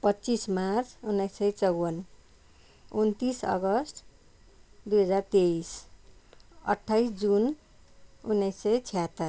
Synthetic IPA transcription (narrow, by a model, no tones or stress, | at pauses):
pʌtːt͡sismart͡sʰunːʌjsːʌjt͡sʌwʌn | unt̪isʌ̰ɡʌsʈʰ | d̪ujɦʌd͡zart̪eis | ʌ̰ʈʰːajsd͡zun | unːʌjsʌjt͡sʰijat̪ːʌr